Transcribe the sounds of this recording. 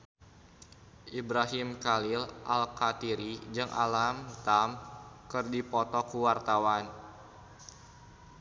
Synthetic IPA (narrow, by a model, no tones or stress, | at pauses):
ʔibɾaɦimkalilʔalkat̪iɾid͡ʒɨŋʔa̰lamt̪amkɨrdipɔt̪ɔkuwart̪awan